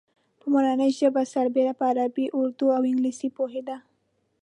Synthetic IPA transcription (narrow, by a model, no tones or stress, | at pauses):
pəmaɾanəjʒəbasaɾbeɾapəaɾabiʔʊɾd̪uawɪŋɡlisipoɦed̪a